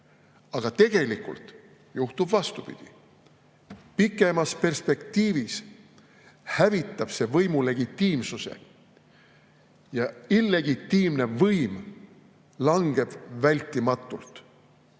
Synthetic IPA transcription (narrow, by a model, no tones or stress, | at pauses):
ɑɡ̥ɑt̪e̞ɡ̥e̞likˑṵlt̪ | juht̪ub̥vɑst̪upḭd̪̥ḭ | pikːˑe̞mɑspe̞rspe̞kt̪iːvis | hævit̪ːˑɑb̥se̞vɤjmule̞ɡ̥it̪ːiːmsuse̞̰ | jɑilːe̞ɡit̪ːiːmne̞vɤjm | lɑŋɡ̥e̞b̥vælʲt̪ːˑimɑt̪ːˑult̪